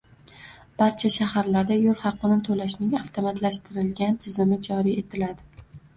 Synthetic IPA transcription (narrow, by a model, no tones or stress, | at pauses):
b̥aɾt͡ʃʰaʃahaɾlaɾd̪ajolˠhɑqːɨnɪt̪ʰolaʃnɪŋaft̪ʰomat̪laʃt̪ʰɪɾɪlɡʲant̪ʰɪzɪmɪd͡ʒɒɾie̞t̪ʰɪlad̪ɪ